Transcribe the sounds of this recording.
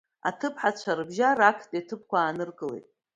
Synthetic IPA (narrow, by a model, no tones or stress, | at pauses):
a̰tʰɨpʰħat͡ɕʷʰarɨbʒarakʰtʼetʰɨp̚ʰkʷaːnɨrkʼɨlḛjtʼ